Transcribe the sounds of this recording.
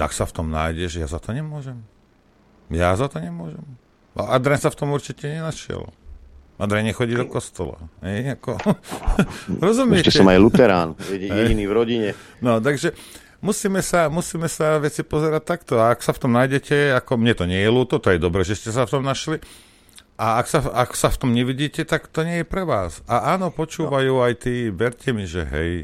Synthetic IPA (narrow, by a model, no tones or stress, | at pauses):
a̰ksaft̪ɔmna̰ːjɟɛʒja̰zat̪ɔɲɛmʊɔʒɛm | jazat̪ɔɲɛmʊɔʒɛm | ʔa̰ʔad̪ɾɛnsaft̪ɔmuɾt͡ʃicɛɲɛnaʃɪɛ̰l̰ | ʔad̪ɾɛɲɛxɔɟid̪ɔkɔst̪ɔla̰ɦɛjakɔ | ɾɔzumjɛɛt͡ʃɛscɛɔmajlut̪ɛɾaːnɛɟɛiɛiniːvɾɔɟiɲɛ | nɔt̪aɡʒɛ | musiːmɛsamusiːmɛsaʋɛt͡sipɔzɛɾac̚t̪akt̪ɔaːksaft̪ɔmnajɟɛcɛakɔmɲɛt̪ɔɲɪɛjɛluːt̪ɔt̪ɔjɛd̪ɔbɾɛʒɛscɛsaft̪ɔmnaʃli | ʔaaksaaksaft̪ɔmɲɛʋiɟiːcɛt̪akt̪ɔɲɪɛjɛpɾɛʋaːsaʔaːnɔpɔt͡ʃuːʋajuːajt̪iːʋɛɾcɛmiʒɛ̰ɦɛ̰j